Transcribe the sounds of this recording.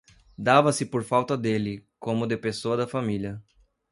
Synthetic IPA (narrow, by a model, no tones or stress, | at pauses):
d̪avɐsɪpoɾfawt̪ɐd̪elɪkõmʊd̪epesoɐd̪ɐfamiljɐ